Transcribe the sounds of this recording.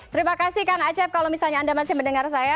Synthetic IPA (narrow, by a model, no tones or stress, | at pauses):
t̪əɾimakasɪhkaŋat͡ʃɛp̚kalomisalɲaːndamasɪhməndəŋarsaja